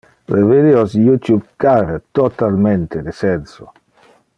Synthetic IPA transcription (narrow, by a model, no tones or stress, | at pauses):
leved̪iosjut̪ubkaɾet̪ot̪almɛnt̪ed̪esɛnso̰